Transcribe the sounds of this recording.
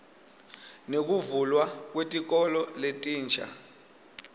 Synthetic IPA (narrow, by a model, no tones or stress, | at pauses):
nek̬uvulwak̬wetʼik̬ɔlɔletʼiːnt͡ʃʰʼa̰